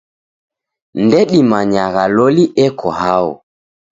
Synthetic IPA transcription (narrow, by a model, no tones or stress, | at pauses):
ndɛɗimaɲaɣalɔliʔɛkʰɔhaɔ̰